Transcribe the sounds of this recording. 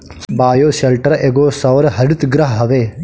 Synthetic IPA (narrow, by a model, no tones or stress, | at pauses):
baːjoːʃɐlʈɐɾɐʔeɡoːsɐʋɐɾɐɦɐɽut̪ɡɾɐɦɐɦɐʋeː